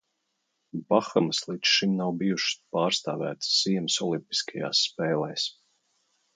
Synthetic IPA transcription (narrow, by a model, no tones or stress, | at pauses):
baxamslˠit̪sʃimnawbijuʃspaːɾst̪aːvæ̰ːt̪sːiɛmsɔlˠimpi̥skaja̰ːsːpɛːlˠɛjs